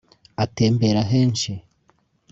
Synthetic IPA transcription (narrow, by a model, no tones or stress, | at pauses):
ateːmbeɾaɦeːnʃi